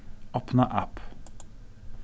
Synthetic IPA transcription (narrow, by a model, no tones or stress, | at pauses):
ɔpnəʔæp